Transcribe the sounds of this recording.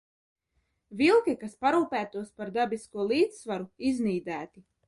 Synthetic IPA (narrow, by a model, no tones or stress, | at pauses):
vilˠkikaspaɾuːpæːt̪uɔspaɾd̪abiskuɔlˠiːt̪svaɾuizniːd̪æːt̪i